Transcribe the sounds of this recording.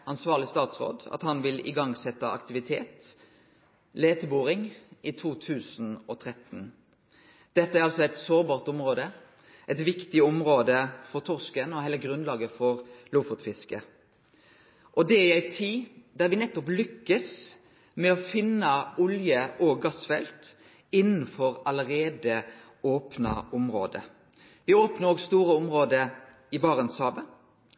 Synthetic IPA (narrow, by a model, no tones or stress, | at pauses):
ɑnsʋɑːʁlɪst̪ɑːt̪sʁo̰ːd̪ɑ̰t̪hɑnʋɪlɪ̰ɡɑŋsɛt̪ːɑɑ̰kt̪ɪʋɪt̪ʰeːt̪ | leːt̪ʰəbuːʁɪŋʔɪt̪ʰuːt̪ʰʉːsn̩ɔt̪ʰɾɛt̪n̩ | d̪̥ɛt̪ːəæɾɑlsɔæɪt̪soːɾbɑːʁt̪ɔmʁoːd̪ə | ʔɛɪt̪ʋɪkt̪ɪɔmʁoːd̪əfɔɾt̪ʰɔʁskənɔhæɪləɡɾʉnlɑːɡəfɔʁluːfɔt̪fɪskə | ʔɔd̪ɛɪæɪt̪ʰiːd̪æʁʋɪnɛt̪ːɔplʏkːəs | mɛɔfɪnːəʊljəɔɡɑsfɛlt̪ | ɪnn̩fɔɾɑləɾeːd̪ə | oːpnɑ̰ɔmɾo̰ːd̪ə̰ | ʋɪoːpnəʁoːɡst̪uːɾəʊmʁoːd̪ə | ɪbɑːʁənshɑːbə